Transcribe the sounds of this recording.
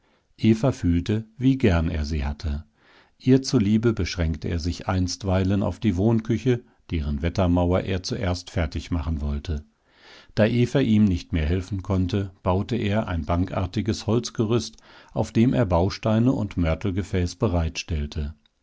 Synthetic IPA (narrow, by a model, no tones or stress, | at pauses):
ʔeːfɐfyːltəviːɡɛɐnḛːɐziːhatʰə | ʔiːɐt͡suliːbəbəʃʁ̥ɛŋktəeːɐzɪçʔaɪnstv̥aɪləna̰ʊfd̥iːvoːnkʰʏçə | d̥eːʁənvɛtɐmaʊɐʔḛːɐt͡suʔeːɐstfɛɐtɪçmaχn̩vɔltʰə | d̥aːʔeːfɐʔiːmnɪçtmeːɐɦɛlfn̩kʰɔntəb̥aʊtəʔeːɐʔa̰ɪnbaŋkʔa̰ɐtɪɡəshɔlt͡sɡ̥əʁʏst | ʔaʊfd̥eːmʔḛːɐbaʊʃtaɪnəʊ̰ntmœɐtl̩ɡəfɛːsb̥əʁaɪtʃtɛltʰə